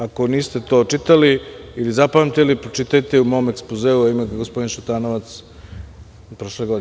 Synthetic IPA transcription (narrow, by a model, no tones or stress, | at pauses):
ako̞niːst̪e̞t̪o̞ːt͡ʃit̪aliilizapamt̪elipɾot͡ʃit̪ajt̪eumo̞omekspozeːuaimekɡospo̞d̪inʃut̪aːnoʋat̪s | pɾo̞ʃleɡod̪i